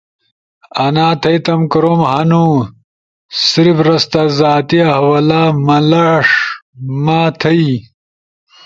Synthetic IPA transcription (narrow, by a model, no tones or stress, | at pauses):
ɐnaːt̪ʰɐjt̪ɐmkɾoːmhɐnu | sɾibɾɐst̪azaːt̪iɐhwɐlaːmɐlaʂmaːt̪ʰɐi